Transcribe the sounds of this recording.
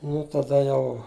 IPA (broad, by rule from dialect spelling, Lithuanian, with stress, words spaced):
ˈnʊ tɐˈdɐ ˈjɛʊ